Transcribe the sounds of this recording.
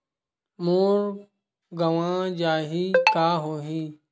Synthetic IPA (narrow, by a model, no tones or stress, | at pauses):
moːɾ | ɡəʋãːd͡ʒaːɦiːkaːɦoːɦiː